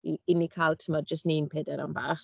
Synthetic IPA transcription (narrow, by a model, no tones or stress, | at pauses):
iɪnikʰalˠtʰəmad͡ʒəstninpʰɛːdɛɾa̰mbaːχ